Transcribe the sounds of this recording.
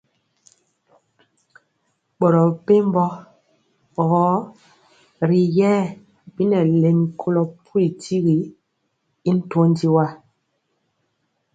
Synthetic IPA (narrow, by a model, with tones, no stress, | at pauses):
ɓɔ˨ɾɔ˨pe˦m˦bɔ˦˨ | ɣɔ˨˦ | ɾi˨jɛ˦ | bi˦nɛ˨le˨nkʰo˦lɔ˨pʰu˦i˨tʰi˦ɣi˨ | i˦n̩˦to˦n˦di˦wa˦